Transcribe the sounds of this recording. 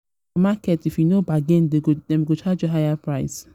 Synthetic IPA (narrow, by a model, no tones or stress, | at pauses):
makɛtifjunobaɡɛ̃ndeɡodɛ̃mɡot͡ʃad͡ʒoɦajapɹaɪs